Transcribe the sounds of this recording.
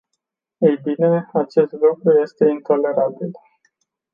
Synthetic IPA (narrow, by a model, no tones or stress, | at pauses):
ejbine̞at͡ʃe̞st̪lukɾuje̞st̪e̞int̪o̞le̞ɾabil